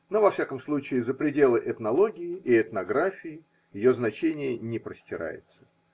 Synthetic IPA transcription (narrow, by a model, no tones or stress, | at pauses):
no̞vɐfsʲakəmslˠut͡ɕɪːzəpɾʲɪdʲe̞lˠɨʔɛt̪nɐlˠo̞ɡʲɪjɪɪɛt̪nɐɡɾafʲɪjɪ | jɪjo̞znɐt͡ɕenʲɪjənʲɪpɾəsʲtʲɪɾa̰jɪ̰t̪sə̥